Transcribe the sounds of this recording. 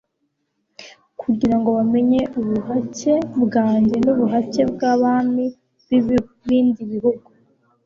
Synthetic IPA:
kʰuɟiɾaŋɡo̞βame̞ɲe̞uβuhace̞bɡaːɲɟe̞nuβuɦace̞bɡaβaːni | β | βiːndiβihuɡu

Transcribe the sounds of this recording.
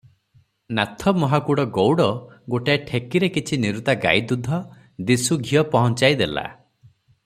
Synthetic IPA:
nat̪ʰɔmɔɦakuɽɔɡowɽɔɡoʈaeʈʰekiɾekit͡ʃʰiniɾut̪aɡa̰jd̪ud̪ʱɔ | d̪isuɡʱijɔpɔɦɔnt͡ʃajd̪ela̰

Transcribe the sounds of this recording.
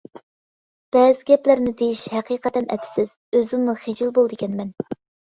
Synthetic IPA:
b̥ɛːzɪɡʲɛplɪɾnɪd̪ejiʃhɛqiːqət̪ɛnʔɛ̰pʰsɪz̥ | øzɪŋnɨχed͡ʒilbolˠd̪ɨkʲɛnmɛn

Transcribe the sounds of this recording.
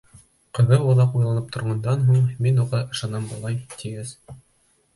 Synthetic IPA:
qɤ̆ðɤwŏðˠɑqujlˠɑnɤp̚t̪ŏɾʁɑnd̪ɑnɦuɴminuʁɑʔɤ̆ʃɑnɑmbɑ̆lˠɑjt̪ʰiɡɘz

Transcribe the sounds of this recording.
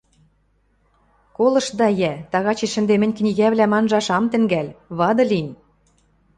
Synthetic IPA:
kolɤ̆ʃd̪ɑjæt̪ɑɣɑt͡ɕeʃɘ̆nd̪emɘ̆nʲknʲiɣæβlæmɑnʒɑʃɑmt̪ɘ̆ŋɡælʲβɑd̪ɤ̆lʲinʲ

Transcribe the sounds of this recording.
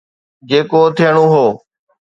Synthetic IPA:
d͡ʑeːkoːt̪ʰɪjəɽ̃õːɦoː

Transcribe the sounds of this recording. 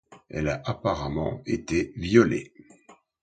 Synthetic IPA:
ɛ̰laʔapaʁamɑ̰̃et̪evjɔlḛ

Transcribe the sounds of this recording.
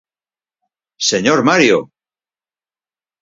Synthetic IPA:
se̞ɲoɾmaɾjo̰

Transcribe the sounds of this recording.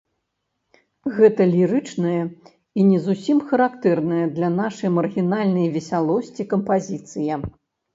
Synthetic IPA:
ɣɛt̪ɐlʲiɾɨt͡ʂnɐjɐ | inʲɛzusʲimxɐɾakt̪ɛrnɐjɐd̪lʲɐnaʂɐjmɐrɣʲinalʲnɐjvʲɛsʲalˠɔsʲt͡sʲikɐmpazʲit̪sɨjɐ

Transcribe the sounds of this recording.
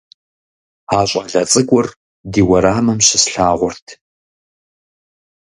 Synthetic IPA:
aːɕʷʼɐɮɐt͡sʼɨɡʷʊr | diːwɐɾaːmɐmɕɪsɬaːʁʷʊrtʰ

